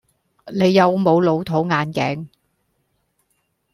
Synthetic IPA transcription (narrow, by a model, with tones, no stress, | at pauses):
ne˨˧jːɐ˨˧wmo˨˧wlo˨˧wt̪ʰo˨˥wŋaː˨˧nkɛ̰ː˨˥ŋ